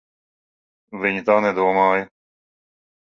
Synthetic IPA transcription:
ʋɪɲt̪ãːnẽːd̪oːmãːj

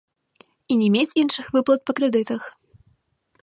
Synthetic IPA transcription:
inʲɛmʲet͡sʲinʂɨxvɨplˠɐt̪̚pɐkɾɛd̪ɨt̪ɐx

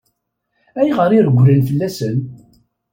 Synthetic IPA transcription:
æjʁəɾiɾɡʷːɾənfəlːæsən

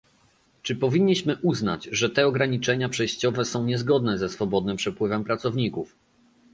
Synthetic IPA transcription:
t͡ʂɘpɔvʲiɲʲːiɕmɘʔuzna̰t͡ɕʐɛt̪ɛɔɡɾaɲit͡ʂɛɲapʂɛjɕt͡ɕɔvɛsɔ̃w̃ɲɛzɡɔd̪̚nɛzɛsfɔbɔd̪nɘmpʂɛpwɘvɛmpɾat̪sɔvɲikuf

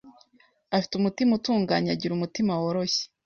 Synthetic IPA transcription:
afi̥tumutimutuːŋɡaːɲaɟiɾumutimawoɾo̞çe̥

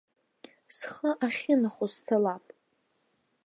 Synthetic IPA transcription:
sχəʔaχʲɪnaχost͡sʰalapʼ

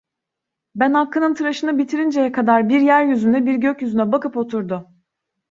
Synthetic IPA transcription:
bænhakʰːɯnɯnt̪ʰɯɾaʃɯnɯbit̪ʰiɾind͡ʒejɛkʰad̪aɾbiɾjæɾjyzynd̪ɛbiɾɟøcjyzynɛbakɯpo̞t̪ʰuɾd̪ʊ

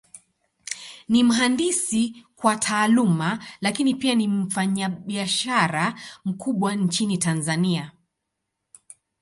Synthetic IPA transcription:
nim̩ɦandisikwatʰaːlumalakinipianim̩faɲaɓiaʃaɾam̩kuɓwant͡ʃinitanzania

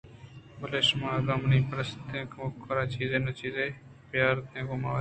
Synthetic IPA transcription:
bəleːʃmãːlamnĩːpɾəst̪ẽːkʰmokʰəɾaːt͡ʃiːzeːnət͡ʃiːzeː | pɪjaːɾt̪ẽːkoːmãːʋ

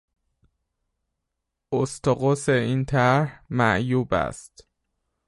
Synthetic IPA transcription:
ost̪ʰoɣoseiːnt̪ʰæɾhmæʔjuːbæ̰st̪

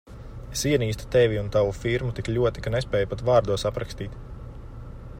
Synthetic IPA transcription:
esiɛniːst̪u̥t̪evʲiunt̪aʋufiɾmut̪iklʲuɔt̪ikanespɛːjupat̪vɑːɾd̪uɔsapɾakst̪iːt̪

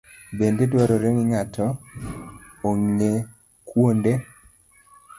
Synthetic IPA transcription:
bendedwaɾɔɾeŋɪŋatʰɔ | oŋe | kwonde

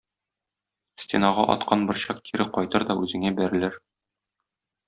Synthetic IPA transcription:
stʲenɑʁɑʔɒ̰t̪qɑnbɤ̆ɾɕɑq̚t̪ʰiɾɘqɒjt̪ɤɾd̪ɒʉzɘ̆ŋæbæɾɘ̆lɘɾ

